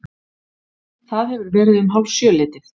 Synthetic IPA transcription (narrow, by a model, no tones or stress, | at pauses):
θaðhɛvʏɾvɛːɾɪðʏmɦawlsjœːlɪːt̪ɪθ